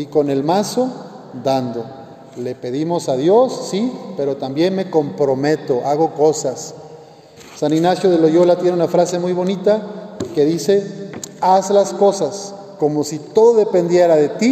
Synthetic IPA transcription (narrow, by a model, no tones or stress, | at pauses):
iko̞ne̞lmaso̞ | d̪and̪o̞ | le̞pe̞ðimo̞saðjo̞sːipe̞ɾo̞t̪ambje̞nme̞ko̞mpɾo̞me̞t̪o̞ʔaɣo̞ko̞sas | aniɣnasjoðelo̞ʝolat̪jeneunafɾase̞mujβo̞nit̪akeðise̞azlasko̞sas | ko̞mosit̪o̞ðoðe̞pe̞nd̪jeɾaðe̞t̪i